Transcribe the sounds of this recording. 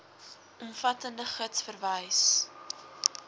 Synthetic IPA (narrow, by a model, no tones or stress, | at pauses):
ʔɔmfɐtəndəχətsfərvəjs